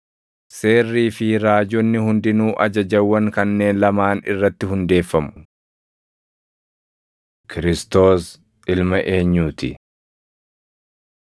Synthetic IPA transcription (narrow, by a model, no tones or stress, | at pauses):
se̞ːrːiːfɪɾaːd͡ʒɔnːɪhʊnd̪ɪnuːʔɐ̰d͡ʒɐd͡ʒɐwːɐŋkɐnːe̞ːnlɐmaːnɪ̰rːɐt̪ːɪɦʊnd̪e̞ːfːɐmʊ̥ | kʰɪɾɪst̪o̞ːs | ɪlmɐʔe̞ːɲːuːt̪ɪ̰